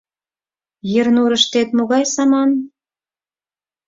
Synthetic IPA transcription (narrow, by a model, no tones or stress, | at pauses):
jə̆rnuɾə̆ʃt̪et̪moɣɑjsɑmɑn